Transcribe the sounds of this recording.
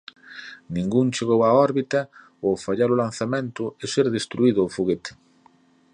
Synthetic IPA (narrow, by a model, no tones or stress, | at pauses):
nĩŋɡuŋt͡ʃeɣowaɔɾβit̪ɐ | ofaʎaɾʊlan̟θamẽnt̪ʊɪseɾðest̪ɾuiðʊofuɣet̪